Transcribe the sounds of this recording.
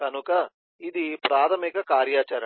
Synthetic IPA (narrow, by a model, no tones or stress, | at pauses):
kɐnukɐ | id̪ipɾaːt̪ʰɐmikɐkaːɾjaːt͡ʃɐɾɐ